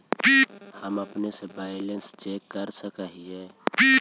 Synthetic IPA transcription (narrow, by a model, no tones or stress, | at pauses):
bihəməpnesebaːjlẽnst͡ʃekːəɾsəkəɦiebi